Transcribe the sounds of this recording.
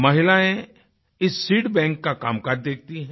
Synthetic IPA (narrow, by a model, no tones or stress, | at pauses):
mɐɦɪlaẽ | ɪsːiːɖbɛ̃ːŋkːaka̰ːmkaːd͡ʒ̚d̪eːk̚ʰt̪iɦɛ̃